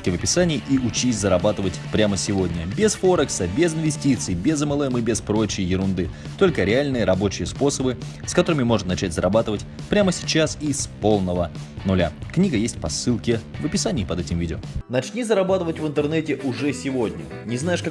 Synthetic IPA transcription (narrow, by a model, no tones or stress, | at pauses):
kʲɪvəpʲɪsanʲɪːʔiʔʊt͡ɕisʲzəɾɐbat̪ɨvətʲpɾʲaməsʲɪvo̞dʲnʲəbʲesfoɾəksəbʲezɪnvʲɪsʲtʲit̪sɨjbʲezəmɛlˠɛmɨbʲɪspɾo̞t͡ɕɪjəjɪɾʊnd̪ɨ | t̪o̞lʲkəɾʲɪalʲnɨjəɾɐbo̞t͡ɕɪjəspo̞səbɨskɐt̪o̞ɾɨmʲɪmo̞ʐnnɐt͡ɕætʲzəɾʔɐbat̪ɨvətʲpɾʲaməsʲɪ̥t͡ɕasispo̞lˠnəvənʊlʲaknʲiɡəjesʲtʲpɐsɨlˠkʲɪvəpʲɪsanʲɪːpɐd̪ɛtʲɪmvʲidʲɪonɐt͡ɕnʲizəɾɐbat̪ɨvətʲvɨnt̪ɨrnɛtʲɪʔʊʐɛsʲɪvodʲnʲə | nʲɪznajɪʂka